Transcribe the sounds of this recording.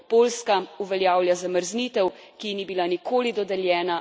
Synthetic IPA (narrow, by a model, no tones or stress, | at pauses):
poːlskauʋɛljaːwljazaməɾznit̪ɛwkinibilanikʰoːlid̪ɔd̪ɛljɛːna